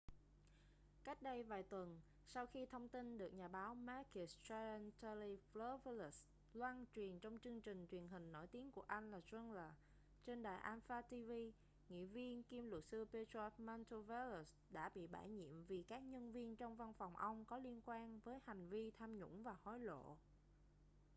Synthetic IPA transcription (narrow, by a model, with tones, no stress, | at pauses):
ka˦˥jk̟̚ɗə˧jvaː˨˩jt̪wə˨˩n | sa˧wxi˧t̪ʰə˧wŋ͡mt̪i˧nɗɨ˨˩ək̚ɲaː˨˩ɓaː˨˦wmaː˧˥ki˨˩st͡ɕa˧nt̪ə˧li˧flə˨˦vlə˦˥s | lwaː˧nt͡ɕwi˨˩ənt͡ɕɔ˧wŋ͡mt͡ɕɨ˧əŋt͡ɕï˨˩ŋ̟t͡ɕwi˨˩ənɦï˨˩ŋ̟no̰˧˩jt̪i˨˦ənku˧˩əʔa˧jŋ̟laː˨˩zə˧nləː˨˩ | t͡ɕe˧nɗa̰ː˨˩jʔaː˧nfaː˧t̪i˧vi˧ | ŋḭ˧˨vi˧ənki˧mlʊ˨˩t̚sɨ˧pe˧tɔ˧˥p̚ma˧nt̪o˧va˧lu˨˩s | ɗa̰ː˧˥ɓḭ˧˨ɓa̰ː˧˩jɲḭ˧˨əmvi˨˩kaː˦˥k̚ɲə˧nvi˧ənt͡ɕwŋ͡mva˧nfɔ˨˩wŋ͡mʔə˧wŋ͡mkɔ˨˦li˧ənkwaː˧nvəː˨˦jha˨˩jŋ̟vi˧t̪ʰaː˧mɲʊ̰˧˥ŋ͡mvaː˨˩hɔ˨˦jlo̰˧˨